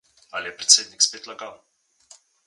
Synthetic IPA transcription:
alʲɪpɾʲɪ̥t̪sʲed̪ʲnʲɪksʲpʲet̪lˠɐɡan

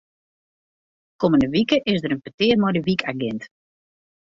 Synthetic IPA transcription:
koməndəʋikəʔɪsdəɾənpətɪərmɔjdəʋikʰaɡɛnt

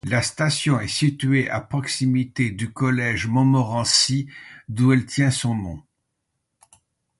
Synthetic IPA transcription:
last̪asjɔ̃ɛsit̪ɥeʔa̰pχɔksimit̪ed̪ykɔlɛʒmɔ̃mɔʁɑ̃sid̪uɛlt̪jɛ̃sɔ̃nɔ̃

